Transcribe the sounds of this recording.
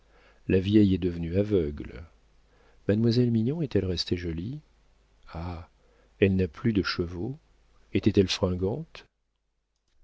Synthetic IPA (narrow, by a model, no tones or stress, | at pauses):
lavjɛjɛd̪əvənyavœɡl | mad̪mwazɛlmiɲɔ̃ɛt̪ɛlʁɛst̪eʒɔli | a | ɛlnaplyd̪əʃəvo | ɛt̪ɛt̪ɛlfχɛ̃ɡɑ̃t̪